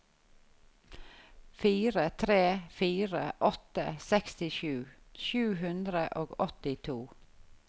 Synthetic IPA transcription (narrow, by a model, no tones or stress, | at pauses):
fiːɾət̪ʰɾeːfiːɾəʔɔt̪ə̰sɛkst̪ɪʃʉːʃʉːɦʉnd̪ɾəʔoːɡɔt̪ɪt̪ʰuː